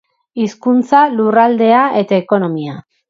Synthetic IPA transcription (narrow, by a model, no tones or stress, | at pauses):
iskunt͡salurald̪e̞ae̞t̪aeko̞no̞mia